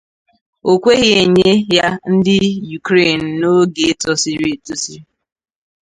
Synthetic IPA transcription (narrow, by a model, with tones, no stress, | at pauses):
o˨kʷe˦ɣi˦e˨ɲe˦ja˦n̩˦dɪ˦ju˨kɾe˦˨n̩˨no˦ɡe˨e˦tɔ˦si˦ɾi˦e˨tu˦si˦